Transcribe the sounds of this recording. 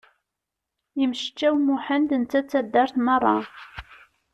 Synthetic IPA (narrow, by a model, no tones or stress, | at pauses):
əmʃt͡ʃːæwmuħənd̪ənt͡s̪ːæt͡sːæd̪ːəɾθmərˤːɑ̰